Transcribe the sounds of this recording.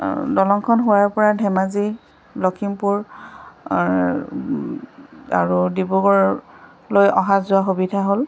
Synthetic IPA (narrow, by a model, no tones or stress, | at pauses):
dɔlɔŋkʰɔnɦʊwaɹpɔɹadʱɛmazi | blɔkʰimpuɹ | a̰ɹudibuɡɔɹ | lojɔɦazʊaxobidʱaɦol